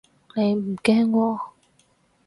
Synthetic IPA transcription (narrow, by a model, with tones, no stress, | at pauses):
ne˨˧jm̩˨˩kɛː˦˥ŋkʷɔː˧